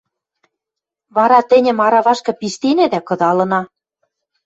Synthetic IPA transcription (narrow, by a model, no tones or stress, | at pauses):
βɑɾɑt̪ɘ̆nʲɘ̆mɑɾɑβɑʃkɤ̆piʃt̪inæd̪ækɤ̆d̪ɑlɤ̆nɑ